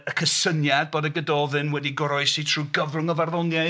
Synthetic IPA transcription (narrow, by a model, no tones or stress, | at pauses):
əkʰəsənjad̚boːdəɡədɔðɨnwɛdiɡɔɾɔɨsitʰruːɡəvrʊŋɔvarðɔnja